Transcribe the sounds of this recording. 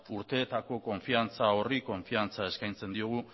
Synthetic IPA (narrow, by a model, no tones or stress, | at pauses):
uɾt̪e̞ːt̪ako̞ko̞ɱfiant͡sao̞riko̞ɱfiant͡sae̞skajnt͡se̞nd̪ioɣ̞u